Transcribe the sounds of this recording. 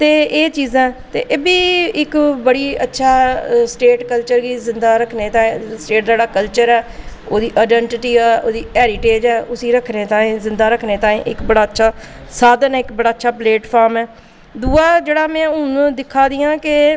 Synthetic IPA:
t̪eːeːt͡ʃiːzãːt̪ḛːʔeːbiːɪkbəɽiːətːʃʰaːsʈeːʈkəlt͡ʃəɾɡiːzɪnd̪aːɾəkʰneːt̪aːẽsʈeːʈ̚d͡ʒaːɽaːkəlt͡ʃəɾɛːoːd̪iːʔaːɖɛɳʈɪʈiːɛːʔoːd̪iːɛːɾiːʈeːd͡ʒɛːʊsiːɾəkʰneːt̪ãːĩːzɪnd̪aːɾəkʰneːt̪ãːḭ̃ːʔɪkbəɽaːətːʃʰaː | saːd̪ənɛːɪkbəɽaːətːʃʰaːpleːʈpʰaːɾmɛː | d̪uːaːd͡ʒeːɽaːmɛ̃ːʊñːd̪ɪkʰːaːd̪iːãːkɪ

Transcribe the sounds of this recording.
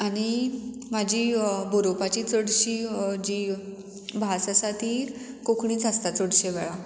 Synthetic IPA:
aɽ̃i | mad͡ʑʱiːboɾopat͡ɕiːt͡səɽɕiːd͡ʑiː | bʱasasat̪ʰiː | kokʰɳĩːt͡sast̪at͡səɽɕeʋɛɭa

